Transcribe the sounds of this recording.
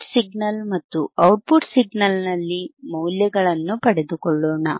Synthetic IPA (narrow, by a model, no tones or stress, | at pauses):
siɡnɐlmɐt̪ːuɐwʈ̚puʈsiɡnɐlnɐlːimɐwljɐɡɐɭɐnːupɐɽed̪ukɔɭːoːɳɐ